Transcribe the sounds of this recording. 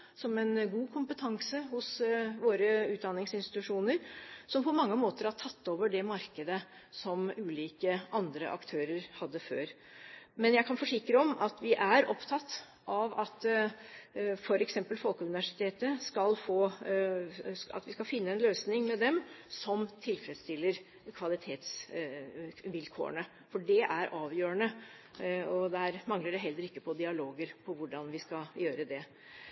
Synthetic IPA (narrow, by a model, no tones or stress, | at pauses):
sɔmɛnɡuːkʰʊmpət̪ʰɑŋsəhʊsʋoːɾəʉːt̪̚d̪ɑnːɪŋsɪnst̪ɪt̪ʉʂuːnəɾsɔmpʰɔmɑŋːəmoːt̪əɾɑʈʰɑt̪ːoːʋəɖɛmɑɾkəd̪ə | sɔmʉːliːkəʔɑnd̪ɾə̰ʔɑ̰kt̪ʰøːɾəɾhɑd̪ːəfø̰ːɾ | mɛnjæɪkʰɑnfɔʂɪkːɾəɔmɑt̪ʋɪʔæɾɔpt̪ʰɑt̪ː | ʔɑʋɑt̪ | fɔɾɛksɛmpəlfɔlkəʉnɪʋæʂɪ̥t̪ʰeːt̪əskɑlfoː | ɑ̰t̪ʋɪskɑfɪnːəɛnløːsnɪŋmɛd̪ɛmsɔmt̪ʰɪlfɾɛd̪st̪ɪlːəɾ | kʰʋɑlɪt̪ʰeːt̪s | ʋɪlkʰo̰ːə̰ɳə | fɔɖɛʔæɾʔɑːʋjøːənə | ɔd̪ɛæːɾmɑŋləɖɛɦɛlːəɾɪkːəpʰɔd̪ɪɑloːɡəɾpʰɔʋʊɖɑnʋɪskɑjøːɾəd̪ɛ